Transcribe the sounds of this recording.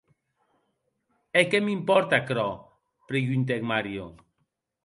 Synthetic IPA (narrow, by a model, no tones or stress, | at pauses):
ekemimpɔɾt̪akɾɔ | pɾejynt̪̬ekmaɾjo̰